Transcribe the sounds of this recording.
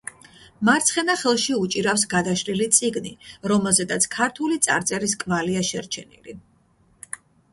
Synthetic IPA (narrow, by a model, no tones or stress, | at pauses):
maɾt̪sʰχɛnaχɛlˠʃiut͡ʃʼiɾafsɡad̪aʃɾilit̪sʼiɡniɾɔmɛlˠzɛd̪at̪sʰkʰaɾt̪ʰulit̪sʼa̰ɾt̪sʼɛɾiskʼvaliaʃɛɾt͡ʃʰɛnḭlḭ